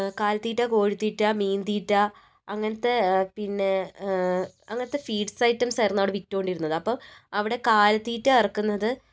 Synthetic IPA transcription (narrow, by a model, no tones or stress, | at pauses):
kaːlɐt̪ːiːʈːaːko̞ːɻit̪ːiːʈːaːmiːnd̪iːʈːaː | ɐŋːɐnɐt̪ːe̞pinːe̞ | ɐŋːɐnɐt̪ːe̞fiːɖsɐjtːɐmsɐrnːoːɽɨʋitːoːɳɖiɾunːɐðɨɐpːɐmɐʋiɽe̞kaːlɐt̪ːiːtːaɐrɐkːunːɐðɨ